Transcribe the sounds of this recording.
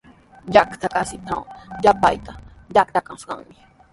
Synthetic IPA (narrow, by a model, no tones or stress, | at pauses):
jakt̪akasɪt̪ʰawjapa̰jt̪a | jak̚t̪akaskɑ̰ŋmɪ